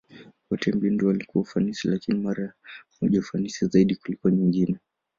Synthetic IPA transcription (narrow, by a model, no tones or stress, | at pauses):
wɔtɛmbindiɔalikuwaufanisilakinimaɾa | uʄaufanisizaiɗikulikuaɲiŋɡinɛ